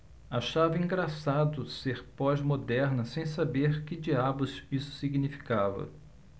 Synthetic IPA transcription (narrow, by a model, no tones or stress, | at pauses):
aʃavɐĩŋɡɾasad̪ʊseɾpɔzmod̪ɛɾnɐsẽj̃sabeɾkɪd͡ʒiabʊzisʊ̥siɡnifi̥kavɐ̰